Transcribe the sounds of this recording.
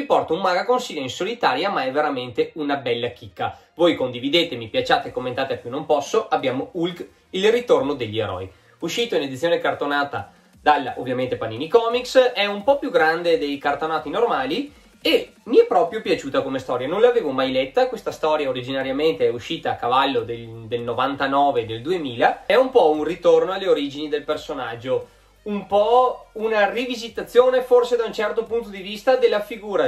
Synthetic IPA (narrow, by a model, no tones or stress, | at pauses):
ipɔrt̪aummːaɡakonsiʎoinsolit̪aːɾjamaɛveɾament̪eunabɛlːakikːa | vojkond̪ivid̪eːt̪emipjat͡ʃaːt̪ekːomːent̪aːt̪eapjunompɔsːoʔabːjaːmoulɡ | ilrit̪ornod̪eʎːieɾɔ̰j | uʃːiːt̪oined̪it̪sːjoːnekart̪onaːt̪a̰ | d̪alːʔovːjament̪epanːinikɔːmiksɛumpɔpjuɡɾand̪ed̪ejkart̪onaːt̪inormaːli | e | miɛpːɾɔːpɾjopjat͡ʃuːt̪akomest̪ɔːɾjanõnlaveːvomajlet̪ːakwest̪ast̪ɔːɾjaoɾid͡ʒinaɾjament̪eɛuʃːiːt̪aːkavalːod̪ed̪elnovant̪anɔːved̪eld̪uemiːlaɛumpɔunrit̪ornoalːeoɾid͡ʒinid̪elpersonad͡ʒːo | umpɔunarivizit̪at̪sːjoːneforsed̪aunt͡ʃɛrt̪opunt̪od̪ivist̪ad̪elːafiɡuːɾa